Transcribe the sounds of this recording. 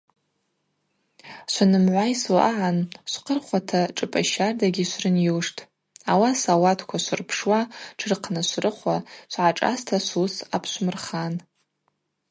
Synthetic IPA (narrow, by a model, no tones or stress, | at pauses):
ʃʷanɨmʕʷajswaʔaʕanʃʷqʰʼərχʷatʰaʈ͡ʂʼɨpʼaʃardaɡʲiʃʷrɨnjiwʂtʰʼ | awasawatʰkʷʰaʃʷɨrpʰʂwaʈ͡ʂʰɨrqʰnɨʃʷrɨχʷaʃʷʕaʈ͡ʂʼa̰stʰaʃʷusapʰʃʷmɨrχan